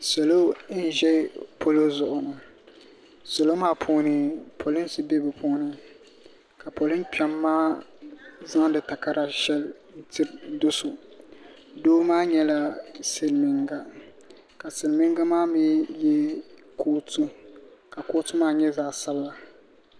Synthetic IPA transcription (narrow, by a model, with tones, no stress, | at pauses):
sɛ˨lo˦n̩˨˦ʒɛ˦pʰo˦lo˦zʊ˨ʔʊ˨nɨ˨ | sɛ˨lo˦maː˦pʰoː˦nɨ˦pʰo˨lɪ˦nsɨ˨bɛ˦bɨ˨pʰoː˦nɨ˦ | ka˨po˨lɨ˦mpa˨mːaː˦ | za˦ŋdɨ˨ta˨ka˦ɾa˨ʃɛ˦l | n̩˦tʰɪ˦ɾdʊ˦sʊ˨ | doː˦maː˦ɲɛ˦la˦se˨lmɪ˨ŋɡa˨ | ka˨se˨lmɪ˦ŋ˦ɡa˦maː˦mi˦jɛ˦ | kʰoː˦tʰu˦ka˨ko˦tʊ˦maː˦ɲɛ˦zaː˦sa˦bla˨